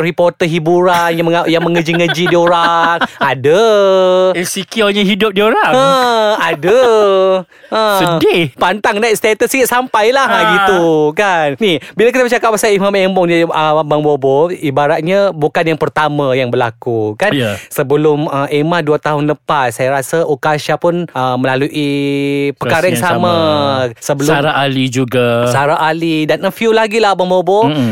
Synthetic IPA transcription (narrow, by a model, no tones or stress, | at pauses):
ripɔrt̪əɦibuɾanjaməajaŋməŋəd͡ʒiŋəd͡ʒidioɾaŋadə | sikioɲaɦidʊp̚dioɾaŋəadə | ʔəsədipant̪aŋnaist̪at̪əskiʔsampajlaɦaɡit̪ukannibilakit̪abət͡ʃakap̚ːasaimamembɔŋdiəbaŋboboibaɾat̪̚ɲabukanjaŋpərt̪amãjaŋbərlakukansəbəlʊməʔemãhduat̪aɦʊnləpassajaɾasaʔukaʃapʊnəmə̃laluʔipərkaɾajaŋssamasəbəlʊaɾaalid͡ʒuɡassaɾaʔalidanəfiulaɡilahbaŋbobo